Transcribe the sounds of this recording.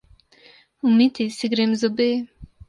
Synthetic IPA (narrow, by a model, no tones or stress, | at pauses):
umit̪ʰisiɡɾemzobe